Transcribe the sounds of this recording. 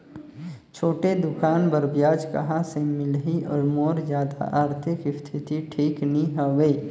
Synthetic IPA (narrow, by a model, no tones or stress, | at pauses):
t͡ʃʰoːʈed̪ʊkaːnbəɾbjaːd͡ʒkɐ̰ɦasemɪlɦiʔɔ̰ɾmoːɾzjaːd̪a̰ʔaːɾt̪ʰɪkɪst̪ʰɪt̪iʈʰiːkniɦəʋeː